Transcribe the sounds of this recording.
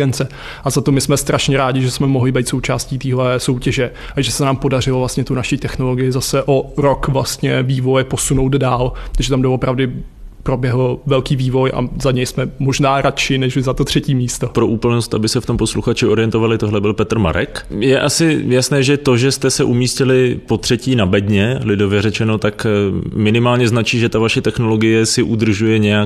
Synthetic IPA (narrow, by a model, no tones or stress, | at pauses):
ɛnt͡sɛ | ʔazat̪o̞mɪsmɛst̪ɾʔaʃɲɛɾaːɟɪʒɛsmɛmoɦlɪbɛjt̪so̞wt͡ʃaːsciːt̪iːɦlɛso̞wcɛʒɛ | ʔaʒɛsɛnaːmpo̞darɪlovlast̪ɲɛt̪unaʃiːt̪ɛxno̞lo̞ɡɪjɪzasɛʔo̞ɾo̞kvlast̪ɲɛviːvo̞jɛpo̞suno̞wd̪daːlt̪aɡʒɛt̪amdovopɾavdɪ | pɾo̞bjɛɦl̩vɛlkiːviːvo̞jʔa̰zaɲɛjsmɛmo̞ʒnaːɾat͡ʃɪnɛʒɪzat̪o̞t̪r̝̥ɛciːmiːst̪opɾo̞ʔuːpl̩nost̪ʔabɪsɛft̪ompo̞sluxat͡ʃɪo̞ɾɪjɛnt̪o̞valɪt̪oɦlɛbɪlpɛt̪r̩ma̰ɾɛ̰kjɛʔasɪjasnɛːʒɛt̪o̞ʒɛst̪ɛsɛʔumiːscɪlɪpo̞t̪r̥ɛciːnabɛdɲɛlɪdo̞vjɛɾɛt͡ʃɛno̞t̪akmɪnɪmaːlɲɛznat͡ʃiːʒɛt̪avaʃɛt̪ɛxno̞lo̞ɡɪjɛsɪʔud̪r̩ʒujɛɲɛjak